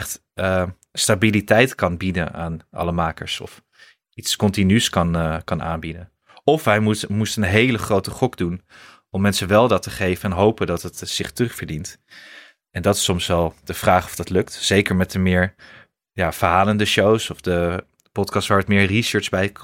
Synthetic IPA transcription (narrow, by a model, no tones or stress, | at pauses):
ɛχt | ə | stabilitɛjtkɑnbidə̰na̰ːnɑ̰ləmaːkə̰ɹsɔ̰f | itskɔntinyskɑnkɑna̰ːnbidən | ɔfɦɛjmustənɦejləχrowtəχɔkdun | ɔmːɛnsənʋɛlˠdɑtəχejvənɛnɦowpəndɑtɦətsɪχtərɵχfəɹdint | ɛndɑtɪ̥sɔmsʋɛlˠd̥əv̥raːχɔ̥fd̥ɑtlɵktz̥ejkəɹmɛtəmɪːɹ | jaːv̥əɹɦaːləndəʃowsɔfdə | pɔtkɑstʋaːɹətmɪːɹrisəːɹzbɛj